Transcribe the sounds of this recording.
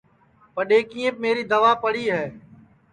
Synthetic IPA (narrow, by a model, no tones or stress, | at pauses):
pəɗeːkĩːẽp̚meːɾiːd̪əʋaːpəɽiːɦɛː